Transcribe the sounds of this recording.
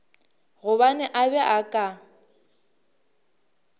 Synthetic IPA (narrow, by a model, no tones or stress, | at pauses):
ɣʊβanɛʔabɛʔakʼa